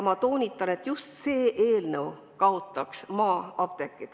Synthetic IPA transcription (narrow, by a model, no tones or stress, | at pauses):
mɑt̪o̞ːnʲit̪ːˑɑne̞t̪ːjust̪se̞ːʔe̞ːlnəw | kɑot̪ːˑɑksmɑːɑb̥̚t̪e̞kːˑid̪̥